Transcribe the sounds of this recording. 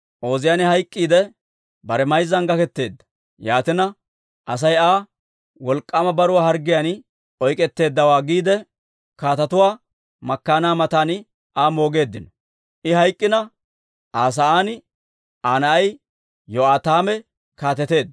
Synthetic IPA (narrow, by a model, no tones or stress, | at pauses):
ʔo̞ːzɪjaːnɪhɐjkʼːiːd̪ɛ | bɐɾɛmɐjzɐŋɡɐkɛt̪ːe̞ːd̪ːɐ̥ | jaːt̪ɪnɐ | ʔɐs̬ɐjaː | wɔlkʼːɐmɐbɐɾʊwaːhɐɾɡɪjan | ɔjkʼɛt̪ːe̞ːd̪ːɐwaːɡiːd̪ɛ | kaːt̪ɐt̪ʊwaː | mɐkːaːnaːmɐt̪aːn | aːmo̞ːɡe̞ːd̪ːɪnɔ | ʔɪhɐjkʼːɪnɐ | ʔaːs̬ɐaːnɪ | ʔaːnɐɐj | jɔaːt̪aːmɛ | kaːt̪ɛt̪e̞ːd̪ː